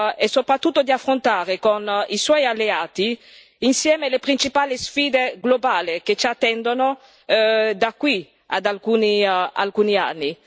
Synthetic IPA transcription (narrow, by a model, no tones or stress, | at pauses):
ɛsopɾat̪ːut̪ːod̪iafːɾont̪aːɾekoniswɔjalːeaːt̪i | insjɛːmelepɾint͡ʃipaːlisfiːd̪eɡlobaːliket͡ʃat̪ːɛnd̪ono | d̪akːwi | a̰d̪alkuːnia̰lkuːnia̰nːi